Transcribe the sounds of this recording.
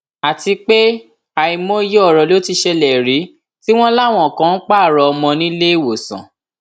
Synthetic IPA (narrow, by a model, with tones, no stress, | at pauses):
a˨ti˧k͡pe˦ | a˨i˧mõ˦i˦je˦ɔ˦˨ɾɔ˧lo˦ti˧ʃe˧lɛ˨ɾi˨˦ | ti˦w̃ɔ̃˦la˦˨w̃ɔ̃˨kã˦n̩˦k͡pa˦˨ɾɔ˧ɔ˧mɔ̃˧nĩ˦le˦i˦˨wo˨sã̰˨